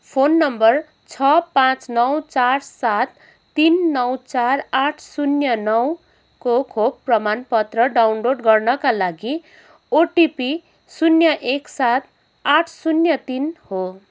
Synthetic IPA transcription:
pʰonːʌmbʌr | t͡sʰʌpãt͡snʌwt͡sarsat̪ː | inːʌwt͡saraʈʰsunjʌnʌw | kokʰobprʌmanpʌt̪rʌɖawnloɖɡʌrnʌkalaɡi | oʈipi | sunjʌʔeksat̪̚ʰ | aʈʰsunjʌt̪inho

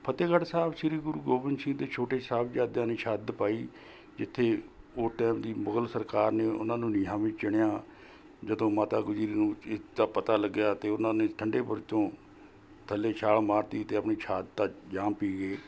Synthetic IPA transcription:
pʰət̪eːɡəɽsaːbʃɪɾiːɡʊɾuːɡoːbɪnsɪ̃ŋɡd̪eːt͡ʃʰoːʈeːsaːbd͡ʒjaːd̪jãːneːʃʰaːd̪paːiː | d͡ʒɪt̪ʰːeːoːʈɛːmd̪iːmʊɡəlsəɾkaːɾneːʔʊ̰nãːnũːnɪːaːʋĩːt͡ʃɪɽ̃ɳjaː | d͡ʒəd̪õːmaːt̪aːɡʊd͡ʒɾiːnũːɪd̪aːpət̪aːləɡːɪjaːt̪eːʊnãːnẽːʈʰəɳɖeːbəɾt͡ʃõː | t̪ʰəlːeːt͡ʃʰaːɭmaːɾt̪iːt̪eːəpɳiːt͡ʃʰaːd̪t̪aːd͡ʒaːmpiːɡeː

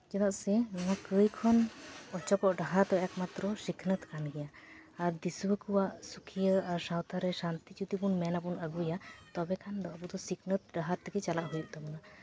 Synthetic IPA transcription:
d͡ʒɛt̪aʔsɛmɔwakəjkʰɔnɔt͡ʃɔpɔʔɖaɦaɾd̪ɔɛkmat̪ɾɔsikʰnət̪kʰanɡɛjaːɾd̪iswəkuwaʔsukʰijəaɾsawt̪ʰaɾɛsant̪it͡ʃut̪ipunmɛnapunəɡujat̪ɔbɛkʰand̪ɔabud̪ɔsikʰnət̪̚ɖaɦaɾt̪ɛkɛt͡ʃalaʔɦujuʔt̪ɔmɔna

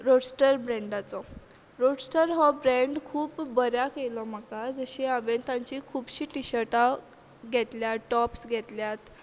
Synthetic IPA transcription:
ɾoɽsʈəɾbɾɛ̃ɳɖat͡sɔ | ɾoɽsʈəɾɦɔbɾeɳɖkʰuːpːəɾjakelɔmakad͡zəɕiabent̪ãɲt͡ɕikʰuːbɕiːʈiɕəɾʈa | ɡʱɛt̪ljaʈɔpsɡʱɛt̪ljat̪

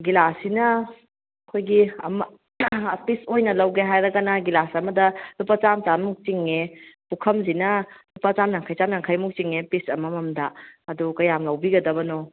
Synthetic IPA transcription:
ɡilasinɐ | ɐkʰojɡiɐ̰mɐ | pisojnɐlɐwɡeɦajɾɐɡɐnɐɡilasɐmɐdɐlupɐt͡ʃamt͡ʃammuk̚t͡ʃiŋːepukʰɐmzinɐlupɐt͡ʃamnaŋkʰajt͡ʃamnaŋkʰajmuk̚t͡ʃiŋepisɐmɐmɐmdɐɐdukɐjamlɐwbiɡɐdɐbɐno

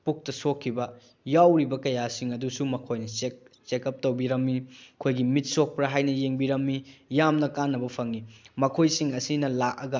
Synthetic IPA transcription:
puk̚tɐsokʰːibɐ | jawɾibɐkɐjasiŋɐdusumɐkʰojnɐsek̚ | t͡ʃekɐp̚towbiɾɐmːikʰojɡimit̚sok̚pɾɐɦajnɐjeŋbiɾɐmːijamnɐkanːɐbɐpʰɐŋimɐkʰojsiŋɐsinɐlak̚ɐɡɐ

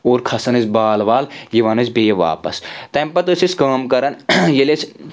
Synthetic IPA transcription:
oːɾkʰɐsɐnɨsʲbaːlʋaːljiʋɐnɐzʲbejɐʋa̰ːpɐ̰st̪ɐmpɐt̪ɨsiskəːmkɐɾɐnjeles

